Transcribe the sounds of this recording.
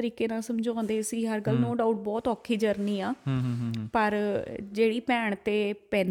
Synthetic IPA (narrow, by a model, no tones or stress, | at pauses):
əɾiːkeːnãːsəmd͡ʒaːnd̪eːəsĩːɦəɾɡəlnõːɖaːʊʈ̚bɔːt̪ɔːkʰːiːd͡ʒəɾniːaː | pəɾd͡ʒeːɽiːpɛːɳt̪eːpɛːn